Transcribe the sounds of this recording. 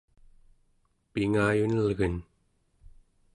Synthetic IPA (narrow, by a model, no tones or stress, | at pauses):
piŋaːjunəlɣən